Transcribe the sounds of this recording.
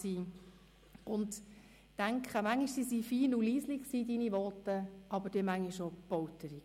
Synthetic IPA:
siː | ʊnd | tæŋkχəmæŋːiʃsisifiːnuliːslɪkksiːdiniʋɔːtəʔɑbəɾd̥ɛmæŋːiʃob̥ɔwtəɾi

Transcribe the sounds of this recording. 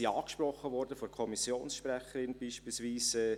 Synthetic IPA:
iɑːkʃprɔχːəʋɔɾdəfɔɾkʰɔmisjoːnsʃprɛχəɾɪnbiːʃppiːlsʋiːsɛː

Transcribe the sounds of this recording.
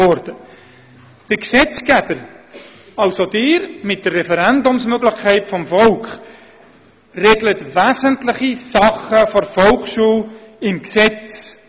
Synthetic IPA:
ɔrdə | d̥əɾksɛt͡sɡ̥ɛbəɾ | ɑlsodɪːɾmɪt̚d̥ərːɛfəɾɛndʊmsmøɡləχkʰɛɪtfɔmfɔlkχ | rɛɡlətvæːzəntləχisɑχəfɔɾfɔlkʃuːlɪmksɛt͡s

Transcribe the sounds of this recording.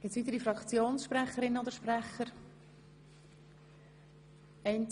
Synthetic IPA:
ɡ̥ɪt͡sʋiːt̪əɾifɾɑkt͡sjoːnsʃpɾɛχəɾɪnəod̪əʃpræχəɾ | ɛɪn

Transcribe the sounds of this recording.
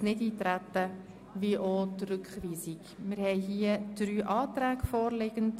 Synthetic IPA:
nɪdiːt̪ɾæt̪ə | viʔotrʏkχʋiːsiɡmɪɾhɛɪɦiəd̥ɾyːʔɑːtɾæːɡfɔːɾlɪɡ̥ənt

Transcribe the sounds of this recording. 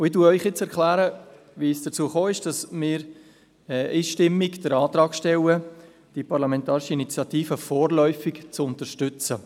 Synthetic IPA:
ʊɪtuːœʏχjɪt͡sɛɾklæːɾə | ʋisd̥ət͡suːəχoːɪʃd̥ɑsmɪːɾ | ɛiːʃtɪmːiɡd̥əɾɑːt̪ɾɑːkʃtɛwə | d̥ipɑɾlɑmɛntɑːɾɪʃiinit͡sjɑtiːfəfɔːrlœʏfɪkt͡sʊntəʃtʏt͡sə

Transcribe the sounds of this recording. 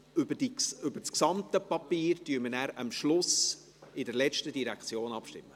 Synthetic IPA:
ʏbəd̥iʏb̥əsksɑmt̪əpɑpiːɾtyːəɾmənæɾɑmʃlʊs | ɪdɛɾlɛt͡ʃtədiɾækt͡sjoːnɑpʃtɪ̰mːə

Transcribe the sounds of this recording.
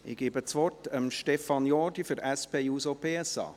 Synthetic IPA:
ʔɪ̰ɡ̥iːbət͡sʋɔtəmʃtɛfɑnjɔːdifʏɾɛspeːjuːsopʰeːɛsɑ̰ː

